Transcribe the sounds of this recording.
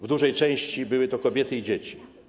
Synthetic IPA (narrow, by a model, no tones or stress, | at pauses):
vd̪uʐɛjt͡ʂɛ̃j̃ɕt͡ɕibɘwɘt̪ɔkɔbʲjɛt̪ɘid͡ʑet͡ɕi̥